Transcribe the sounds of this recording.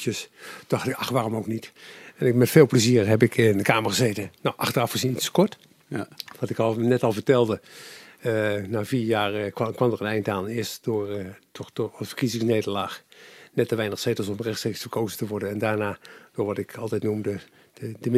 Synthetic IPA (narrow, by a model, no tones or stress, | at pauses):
jəsd̥ɑxtɪkɑxʋaːrɔmowknitɛnkmɛtfeːlˠpləziːərɦɛp̬ɪkʰɪndəkaːməɹχəzejtənawʔɑxtərɑfχəzintstə̥kɔɹt | ʋɑtɪkɑlˠnɛtɑlˠvərtɛlˠdə | ənaːviːjaːrkkʋɑmdərənɛjntaːnɪəstdʊːɹtʰɔdortfə̥kizɪŋsnejdəlaːxnɛtəʋɛjnəxsejtəsɔmrɛxtstrejksfərkoːzətəʋɔɹdənɛndaːɹnaːd̥ʊːɹʋɑtɪkʰɑlˠtɛjtnumdə̥ | ədəm